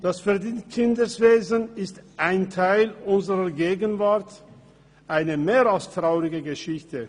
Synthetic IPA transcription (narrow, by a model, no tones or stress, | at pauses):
d̥asfɛɐdinkʰɪndəsv̥eːzənɪstʔaɪntʰaɪlʊnzəʁɐɡeːɡənvaɐt | ʔaɪnəmeːʁalstʁ̥aʊʁɪɡəɡəʃɪçtə